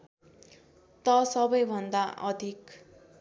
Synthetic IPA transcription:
t̪ʌsʌbʌjbʱʌnd̪aʔʌ̰d̪ʱik

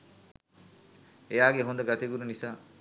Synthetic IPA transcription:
ejaːɡeɦund̪ɐɡat̪eɡuɾunisaː

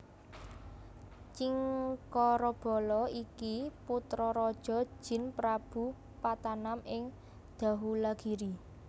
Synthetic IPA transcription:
t͡ʃiŋkɔɾɔb̥ɔ̤lɔikiput̪ɾɔɾɔd̥ʒ̥ɔ̤̥ʒ̥ɪ̤npɾab̥ṳ | pat̪anamɪŋ | d̪̥a̤ɦulaɡ̥i̤ɾi

